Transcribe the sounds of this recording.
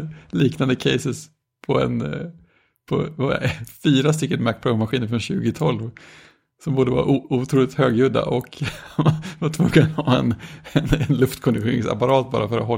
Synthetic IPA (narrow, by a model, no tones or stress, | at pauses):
liːknand̪əkʰɛɪsɪs | pʰɔɛ̰n | pʰɔ̰v̰fiːɾast̪ʏkːənmæk̚pʰɾɔʊmaɧiːnəɾfɾɔnɕʉ̟ːɡɪt̪ʰɔlv | sɔmboːd̪əvɑ̰ɾʔut̪ʰɾuːlɪt̪høːɡjɵd̪a̰ʔɔk | vat̪ʰvʊɡənhɑːɛ̰nɛnɛnlɵft̪kʰɔnd̪ɪɧeːɾɪŋsa̰paɾɑːt̪̚bɑ̰ːɾafœɾat̪ɦɔ